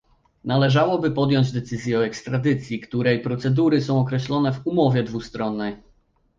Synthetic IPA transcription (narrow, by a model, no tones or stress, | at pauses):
nalɛʐawɔbɘpɔd̪jɔɲd͡ʑd̪ɛt̪sɘzʲjɛɔɛkst̪ɾad̪ɘt̪sʲjikt̪uɾɛjpɾɔt̪sɛd̪uɾɘsɔ̃w̃ɔkɾɛɕlɔnɛvumɔvʲjɛd̪vust̪ɾɔnːɛj